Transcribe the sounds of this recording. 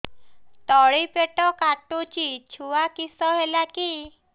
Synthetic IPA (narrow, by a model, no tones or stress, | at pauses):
ʈɔɭipeʈɔkaʈut͡ʃit͡ʃʰuakisɔɦelaki